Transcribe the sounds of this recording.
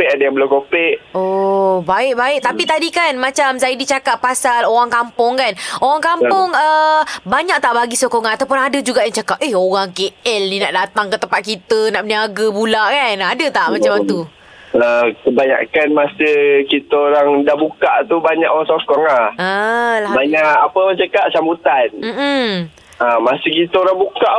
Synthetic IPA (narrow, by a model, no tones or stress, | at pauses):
pɪʔadajaŋbəlokopɪʔobaɪʔ̚baɪk̚t̪apit̪adikanmat͡ʃamsajədit͡ʃakappasaloɾaŋkampʊŋkanoɾaŋkampʊŋəbaɲaʔ̚t̪aʔbaɡisokoŋaat̪awp̬ʊnadəd͡ʒuɡaʔjaŋt͡ʃakap̚ʔehoɣaŋkeɛlnĩnaʔdat̪aŋkət̪əmpat̪̚kit̪ənaʔməniaɡəbulaʔkanadət̪aʔmat͡ʃamat̪u | əkəbaɲa̰ʔkanmasəhkit̪əoɾaŋdaʔbukaʔt̪ubaɲa̰ʔoaŋsɔfkɔŋaəlabaɲaʔapəwat͡ʃakaʔsambut̪anm̩m̩ | amasikit̪əoɾaŋbukaʔ